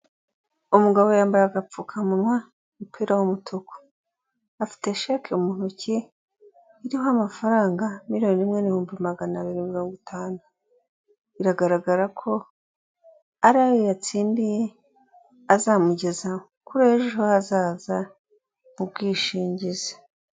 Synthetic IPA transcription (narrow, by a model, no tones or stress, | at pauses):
umuɡaβo̞jaːmbaɾaɡap͡fukʰamunwa | mupʰiːɾawumutʰoko̥ | afi̥te̞ʃakʰeumuːn̥uciː | ɾihoamafaɾaːŋɡamiɾonimŋe̞nihoːmbimaɡanaβiɾinmiɾo̞ːŋɡitʰaːnu | iɾaɡaɾaɡaɾakʰo̞ | aɾaːjojat͡siːndije̞ | azamuɟe̞za | kuɾeeʒiɦoazaːza | mub̚ɡiːʃiːɲɟize̥